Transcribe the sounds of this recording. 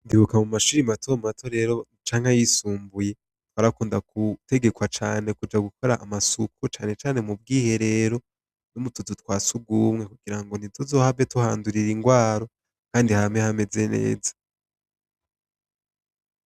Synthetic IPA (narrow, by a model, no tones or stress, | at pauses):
ndiβukamumaʃuɾimatomatʰo̞ɾe̞ɾo̞ | t͡ʃaːŋhajisuːmbuje̞ | twaːɾakuːndakute̞ɡe̞kwat͡ʃaːne̞kud͡ʒaɡukʰo̞ɾaʔamasukʰut͡ʃaːne̞t͡ʃaːne̞mub̚ɡiːhe̞ɾe̞ɾo̞ | numutudutwaːsuɡuːmŋe̞kuɡiɾaŋɡo̞n̥izozo̞ːhaetuhaːnduɾiɾiŋɡwaːɾo̞ | kaːndihamehame̞ze̞ne̞̰ːzḁ